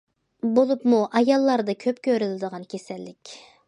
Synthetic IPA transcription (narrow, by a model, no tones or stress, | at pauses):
bolˠupmuʔɑjɑlˠːɑɾd̪ɑkʲʰøpkʲøɾylɪd̪əʁɑnkʲʰesɛlːɪkʲ